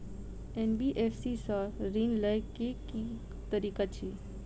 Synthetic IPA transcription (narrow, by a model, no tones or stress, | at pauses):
enbiʔefsisaɾinləjkeki | t̪əɾiːkat͡ʃʰi